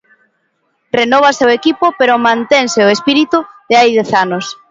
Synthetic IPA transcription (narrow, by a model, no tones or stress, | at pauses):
renɔβ̞aseʊekipopeɾomãnt̪eŋseoespiɾit̪uðɪajðɛθanos